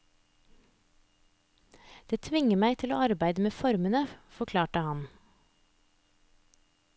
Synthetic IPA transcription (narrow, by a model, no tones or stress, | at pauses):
d̪̥eːt̪ʰʋɪŋəmæɪt̪ʰɪlo̰ːɑɾbæɪd̪əmeːfɔɾmənəfɔkʰlɑːʈəhɑn